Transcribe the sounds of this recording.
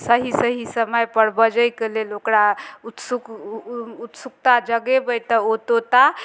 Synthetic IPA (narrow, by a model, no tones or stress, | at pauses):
səɦisəɦisəməjpəɾbəd͡ʒəjkelelokɾaut̪suk | ut̪sukt̪ad͡ʒəɡebəjt̪əot̪ot̪a